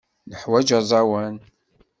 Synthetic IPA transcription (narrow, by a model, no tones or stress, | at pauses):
nəħwæd͡ʒɑzˤɑwæn